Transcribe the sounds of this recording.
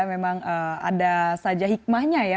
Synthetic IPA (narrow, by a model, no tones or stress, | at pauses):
memaŋəːa̰dasad͡ʒaɦik̚mahɲaja